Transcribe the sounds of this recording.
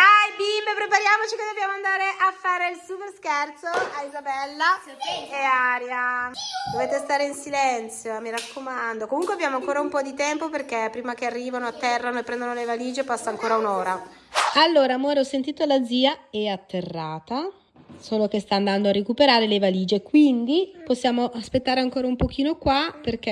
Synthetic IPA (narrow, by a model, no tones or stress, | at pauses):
ajbimbepɾepaɾjaːmot͡ʃiked̪objaːmoand̪aːɾeʔafːaːɾeilsuperskɛrt̪soaizabɛlːa | eaːɾjad̪oveːt̪est̪aːɾeinsilɛnt̪sjoamiɾakːomand̪okomuŋkweabːjaːmoaŋkoːɾaumpɔd̪it̪ɛmpoperk̟epːɾiːmak̟earːiːvanoat̪ːɛrːanoepːɾɛnd̪onolevaliːd͡ʒepasːaːŋkoːɾaunoːɾa | alːoːɾamoːɾeɔsːent̪iːt̪olad̪ziːaɛat̪ːerːaːt̪a | soːlok̟est̪aːnd̪and̪oarːekupeɾaːɾelevaliːd͡ʒekwind̪iposːjaːmoʔaspet̪ːaːɾeaŋkoːɾaumpok̟iːnokwaperk̟e